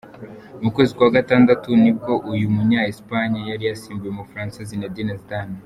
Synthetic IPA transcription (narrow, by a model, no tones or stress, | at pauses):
mukwe̞ːzikwaːɡataːndatunib̚ɡo̞ʔujumuɲaːispaɲajaɾijasiːmbujemufɾaːnsizinedinestan